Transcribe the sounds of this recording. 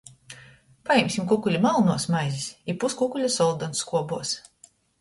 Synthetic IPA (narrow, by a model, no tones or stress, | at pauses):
pajɛmʲsʲimkukulʲimalˠnuɔsmajzʲisipuskukulʲasɔlˠd̪ɔnskuɔbuɔs